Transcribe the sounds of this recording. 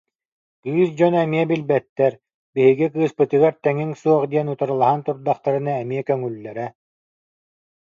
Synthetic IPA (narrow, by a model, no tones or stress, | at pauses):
ɡyːsd͡ʑɔnɛmiɛbilbɛt̪ːɛɾ | biɦiɡikɯːspɯt̪ɯɡaɾt̪ɛŋiŋsuɔχd̪iɛnut̪aɾɯlˠaɦant̪uɾd̪aχt̪aɾɯnaɛmiɛkœŋylːɛɾɛ